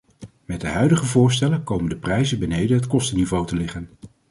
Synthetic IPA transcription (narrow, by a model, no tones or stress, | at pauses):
mɛt̚dəɦœɥdəχəvʊːɹs̬tɛləkowməndəprɛjzəbənejdənɦətkɔstənivowtəlɪχən